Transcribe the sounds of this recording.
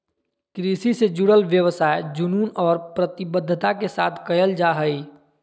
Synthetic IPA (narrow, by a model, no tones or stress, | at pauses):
kɾisised͡ʒuɽəlʋjəwsaed͡ʒununɔːɾpɾət̪ibəd̪ʱːət̪akesa̰t̪ʰkəjəld͡ʒaɦəi